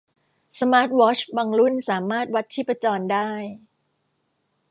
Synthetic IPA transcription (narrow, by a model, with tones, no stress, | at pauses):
sa˧maː˦˥t̪̚wɔː˦˥t͡ɕba˧ŋlu˥˩nsaː˩˦maː˥˩t̪̚wa˦˥t̪̚t͡ɕʰiː˦˥˩pa˧t͡ɕɔː˧ndaː˥˩j